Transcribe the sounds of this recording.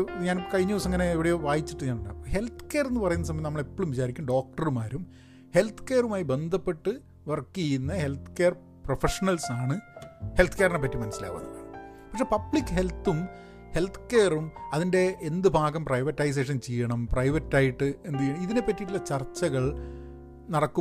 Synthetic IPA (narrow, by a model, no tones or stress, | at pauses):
ɲaːnkɐɻiɲːuːsɐŋːɐne̞ːʋiɽejoːʋaːjit͡ɕːiʈːɨɲaːnɐɳːa̰oɦe̞lt̪ʰɨ̥keːrenːɨpɐrɐjunːɐs̬ɐmɐnɐːɐɭepːoːɭumʋit͡ɕaːɾikʲːaːɳɖo̞ːk̚ʈɐrumaːɾum | he̞lt̪ʰɨ̥ke̞ːɐrumaːjibe̞nd̪ʱɐpːe̞ʈːɨ | ʋɐrkːijunːɐhe̞lt̪ʰɨ̥keːr | profeʂɐnɐlsaːɳɨhe̞lt̪ʰkeːɐrɐnep̬ːɐtːimɐnɐsːila̰ːkʋɐ̰nːikːa̰ɳɐpɐkʂepɐbɭikːɨɦe̞lt̪ːum | he̞lt̪ʰːɨ̥keːrumɐðinde̞ːnd̪ɨbʱaːɣɐmprɐjʋɐtːɐjs̬eːʂ̬ɐnt͡ɕejːɐɳɐmprɐjʋɐtːaːjiʈːɨe̞nd̪ijːɐɳɐmiðine̞pːɐtːiʈːilːɐt͡ɕɐrt͡ɕːɐɣɐɭ | nɐɽɐkːu